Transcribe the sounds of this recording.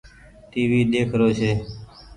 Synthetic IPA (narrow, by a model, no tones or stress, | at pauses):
t̪iːʋiːɗ̪eːkʰɾoːt͡ʃʰeː